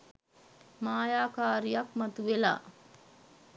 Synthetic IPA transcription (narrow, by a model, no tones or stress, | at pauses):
maːjaːkaːɾijakmat̪uʋela̰ː